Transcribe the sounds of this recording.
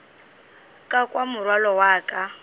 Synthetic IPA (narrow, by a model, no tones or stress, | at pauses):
kʼakʼwamʊrwalɔwaːkʼa